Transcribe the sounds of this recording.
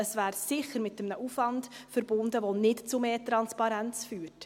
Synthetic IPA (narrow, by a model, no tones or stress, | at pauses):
əsvæːɾsɪχəɾmɪtːəmnəʔufvɑnd̥fəɾbʊndəʋonɪtt͡sumeːtɾɑnspɑɾænt͡sfyːɾt